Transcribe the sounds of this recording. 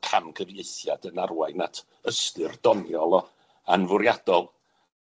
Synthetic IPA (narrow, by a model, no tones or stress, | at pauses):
kʰamkʰəvjejθjadənarwaɨnatʰ | əstɨrd̥ɔnjɔlˠ | anvʊɾjad̥ɔlˠ